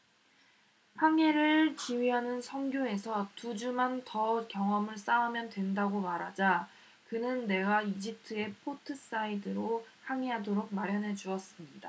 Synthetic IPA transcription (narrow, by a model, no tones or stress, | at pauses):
haŋe̞ɾɯɭt͡ɕiɥiɦanɯnsʰʌŋɡjoe̞sʰʌtud͡ʑumantʌkjʌŋʌmɯɭs͈aɦamjʌndwe̞ndaɡomaɾɦad͡ʑa | kɯnɯnːe̞ɡaid͡ʑitʰɯe̞pʰotʰɯs͈aidɯɾohaŋeɦadoɾok̚maɾjʌnɦe̞d͡ʑuʌs͈ɯmɲida